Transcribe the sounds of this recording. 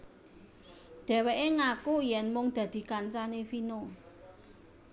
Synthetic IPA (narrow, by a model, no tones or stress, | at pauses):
d̪̥ɛ̤weʔeŋakujɛnmʊŋd̪̥ä̤d̪̥i̤kant͡ʃanefino